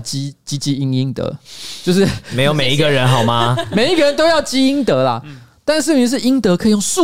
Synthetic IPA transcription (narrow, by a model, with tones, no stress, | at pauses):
t͡ɕi˦t͡ɕi˦t͡ɕi˥i˦ŋi˦ŋt̪ə̰˧˦t͡ɕjo˥˧ʊʂɻ̩˥˩me˧˦ɪjo˨˦me˨˩ɪi˧˦ɡə˨ɻə˨˦nɦɑ˨˩ʊma˦me˨˩ɪi˦˥ɡə˨ɻə˦nt̪o˥ʊjɑ˥˩ʊt͡ɕi˦˥i˦ŋt̪ə˨˧˦la̰˨ | t̪a˥˧nʂɻ̩˥˩˨ʂɻ̩˥˩i˦ŋt̪ɤ˧˦kʰi˨jo˥˩ŋsu˥˨